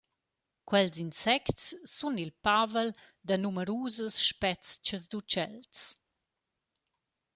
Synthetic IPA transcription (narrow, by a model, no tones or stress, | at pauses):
kwɛlzinsɛktt͡sːunilpavəl | d̪ənuməɾuːzəsʃpɛt͡st͡ʃəzd̪ut͡ʃɛlt͡s